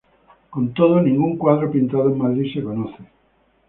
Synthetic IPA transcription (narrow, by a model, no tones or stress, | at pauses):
kont̪oð̞onĩŋɡuŋkwaðɾopint̪aðoeŋmaðɾisekonoθe